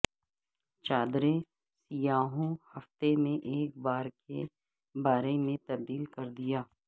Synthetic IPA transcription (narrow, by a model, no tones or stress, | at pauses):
t͡ʃaːd̪ɾe | sijaːɦõhɐft̪emẽʔeːk̚baːɾkḛ | baːɾemẽt̪ɐb̚d̪iːlkɐɾd̪ijaː